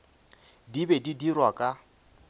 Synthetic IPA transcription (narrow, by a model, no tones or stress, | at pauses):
dibedidirwakʼa